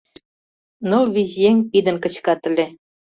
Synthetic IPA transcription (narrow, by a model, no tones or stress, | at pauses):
nɤlβizjeŋʲpid̪ə̆nkə̆t͡ɕkɑt̪ə̆lʲĕ